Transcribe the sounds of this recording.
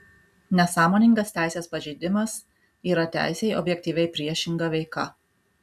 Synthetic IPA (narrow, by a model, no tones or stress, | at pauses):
nʲɛsɑːmoːnʲɪŋɡɐst̪ʲæˑɪsʲeːspɐʒʲɛɪd̪ʲɪmɐs | iːɾɐt̪ʲæ̰ˑɪsʲɛɪʔɔ̰bʲjɛk̚ʲt̪ʲiːʋʲɛɪpʲɾʲiɛʃʲɪŋɡɐʋʲɛɪkɐ̰